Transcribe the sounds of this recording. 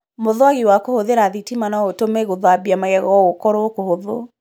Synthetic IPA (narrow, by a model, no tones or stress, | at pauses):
moðwaɣiwakohoðeɾaðitimanaotomeɣoðabiamaɣɛɣɔokɔɾookohoðo